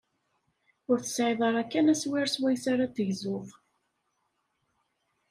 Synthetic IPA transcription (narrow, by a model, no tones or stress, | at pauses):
ʊɾθə̥sʕɪðˤɑɾˤækːænæswɪɾswæjsaɾat̪ːəʝzʊðˤ